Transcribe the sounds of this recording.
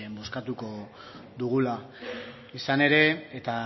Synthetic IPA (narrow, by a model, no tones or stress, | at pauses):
embo̞skat̪uko̞ | ðuɣula | isane̞ɾe̞ːt̪a